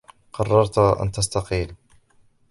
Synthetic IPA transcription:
qɑrˤːɑɾˤt̪ʔa̰nt̪ast̪ɑqiːl

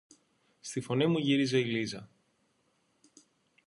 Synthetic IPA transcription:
st̪ifo̞nimuʝiɾize̞ilizɐ

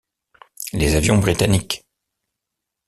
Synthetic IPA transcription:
lezavjɔ̃bʁit̪anik

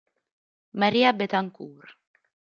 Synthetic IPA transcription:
maɾiabet̪aŋkuːɾ

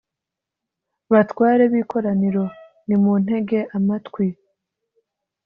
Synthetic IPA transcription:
βatwaːɾe̞βiːkʰo̞ɾaniɾo̞ | nimun̥e̞ɡe̞ʔamatkwi

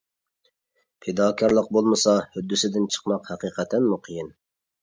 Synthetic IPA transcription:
pʰed̪ɑːkʰɑɾlˠəq̚bolˠmɨsɑhyd̪ːysɪd̪ɪnt͡ʃʰə̥qmɑqhɛqʰiːqʰɛt̪ʰːɛnmuqʰəjin

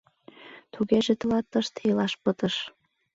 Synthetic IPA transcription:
t̪uɣeʒet̪əlɑt̪ːəʃt̪ilɑʃpət̪əʃ

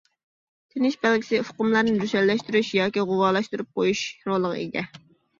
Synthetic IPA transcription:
t̪ʰenɪʃbɛlkʲi̥sɪfʊ̥qʊmlˠɑɾnɨd̪yʃɛllːɛʃt̪yɾyʃjɑːkʲiʁʊwɑːlˠɑʃt̪uɾup̚qʰojuʃɾolˠːəʁə̰ḭɡ̪ʲɛ

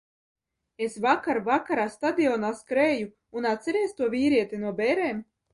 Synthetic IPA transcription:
esvakaɾvakaɾaːst̪ad̪ʲiɔːnaskɾeːju | unat̪sʲɛɾeɛːst̪uɔvʲiːɾiɛt̪inuɔbʲɛɾeːm

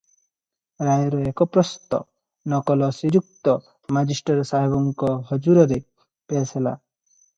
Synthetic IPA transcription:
ɾajɔɾɔekɔpɾɔst̪ɔ̰ | nɔkɔlɔsiɾuk̚t̪ɔ | mad͡ʒisʈɔɾsaɦebɔŋkɔɦɔd͡ʒuɾɔɾe | pesela̰

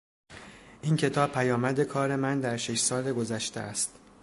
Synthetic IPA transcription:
ʔincʰe̞t̪ʰɒːb̚pʰæjɒːmæd̪e̞kʰɒːɾe̞mænd̪æɾʃe̞ʃsɒːle̞ɡo̞zæʃt̪ʰḛæst̪

